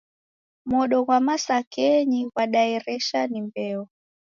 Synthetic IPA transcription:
mɔɗɔɣwamasakɛɲiwaɗaɛɾɛʃanimbɛɔ

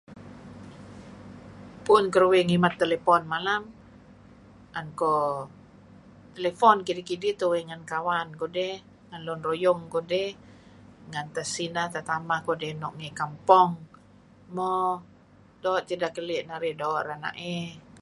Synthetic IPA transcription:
pʊnkərwɛŋimat̪ːelepɔnmalam | ʔankɔ | t̪elefɔnkidikidit̪uwɛŋankawankodɛh | ŋanlɔnrojɔŋkodɛh | ŋant̪asinat̪at̪amakodɛnɔʔŋɛkampɔŋ | mɔ | dɔːʔt̪idakəliʔnaɾɛdɔʔɾana̰ʔɛ

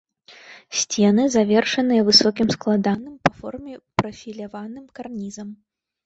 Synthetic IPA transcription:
sʲt͡sʲɛnɨzavʲɛrʂɐnɨjɐvɨsɔkʲimsklˠad̪anɨmpɐfɔrmʲɛpɾɐfʲilʲavanɨmkarnʲizɐm

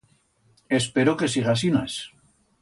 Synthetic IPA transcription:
espeɾoke̞s̬iɣas̬inaes

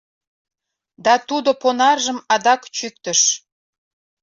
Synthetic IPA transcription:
d̪ɑt̪ud̪oponɑrʒəmɑd̪ɑkt͡ɕyk̚t̪əʃ

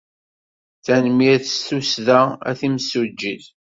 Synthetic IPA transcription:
θænmiæθst̪usðææ̰θimsud͡ʒːið

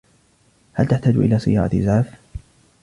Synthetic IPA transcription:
halt̪aħt̪aːd͡ʒʔɪ̰laːsˤɨ̰jɑ̰ːɾˤɑ̰t̪zaʕf

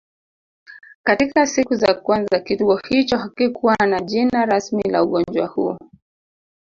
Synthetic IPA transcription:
katikasikuzakwanzakituɔhit͡ʃɔhakikʰuwanaʄinaɾasmila̰uɠɔnd͡ʒwahṵ

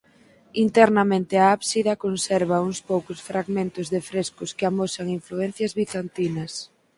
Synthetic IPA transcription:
int̪ɛɾnamẽnt̪ɪaaβsiðɐkonsɛɾβɐuŋspowkʊsfɾaɣmẽnt̪ʊzðɪfɾeskʊskɪamosaŋiɱfluɛn̟θjɐzβiθant̪inɐs

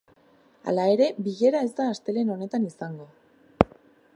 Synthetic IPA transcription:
a̰lae̞ɾe̞biʝe̞ɾae̞zd̪aːst̪e̞le̞no̞ne̞t̪anisaŋɡo̞

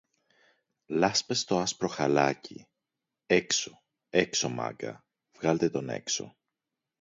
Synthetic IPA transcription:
lɐspest̪o̞ɐspɾo̞xɐlɐcḭ | ekso | ekso̞mɐ̰ɡɐ̰ | v̥ɣɐlt̪e̞t̪o̞ne̞̰kso̞̰

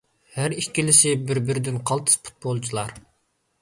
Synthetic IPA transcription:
hæɾikʲːilɪsɪbɪɾbɪɾɪd̪ɪnqʰɑlˠt̪ʰɨ̥spʰu̥t̪̚bolˠt͡ʃʰilˠɑɾ

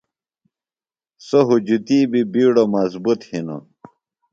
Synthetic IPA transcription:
soɦud͡ʑut̪iːbibiːɽomɐzbut̪hino̰

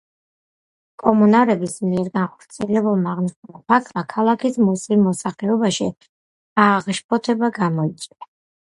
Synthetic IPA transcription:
kʼɔmunaɾɛbismiɛɾɡanχɔ̥ɾt̪sʰiɛlɛbulˠmaːʁniʃumapʰak̪ʰmakʰalˠakʰismusimɔsaχlɛɔbaʃi | aʁʃpʰɔt̪ʰɛbaɡamɔit̪sʼwia

